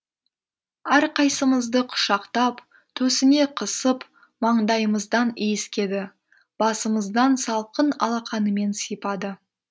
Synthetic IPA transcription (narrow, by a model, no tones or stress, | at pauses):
æɾqɑjsəməzd̪əqʰʊ̥ʃɑqt̪ɑp | t̪ʰɵsɪne̞qʰəsəp | mɑɴd̪ɑjəməzd̪ɑnejɪskʲe̞d̪ɪ | b̥ɑsəməzd̪ɑnsɑlˠqənɑ̰lˠɑqɑnəme̞nsijpɑd̪ə